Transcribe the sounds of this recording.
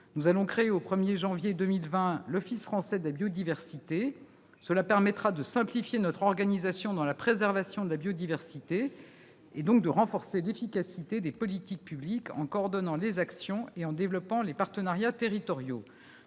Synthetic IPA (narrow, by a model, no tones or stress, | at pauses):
nuzalɔ̃kχeeopχəmjeʒɑ̃vjed̪ømilvɛ̃lɔfisfχɑ̃sɛd̪əlabjɔd̪ivɛʁsit̪e | səlapɛʁmɛt̪χad̪əsɛ̃plifjenɔt̪χɔʁɡanizasjɔ̃d̪ɑ̃lapχezɛʁvasjɔ̃d̪əlabjɔd̪ivɛʁsit̪eː | d̪ɔ̃k̚d̪əʁɑ̃fɔʁselefikasit̪ed̪epɔlit̪ik̚pyblikɑ̰̃kɔːʁd̪ɔnɑ̃lezaksjɔ̃eɑ̃d̪evlɔpɑ̃lepaʁt̪ənaʁjat̪eʁit̪ɔʁjo